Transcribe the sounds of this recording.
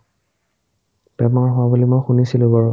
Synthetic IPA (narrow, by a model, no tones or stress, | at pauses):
pɛmaɹɦʊwabulimojxunisilʊbɔɹɔ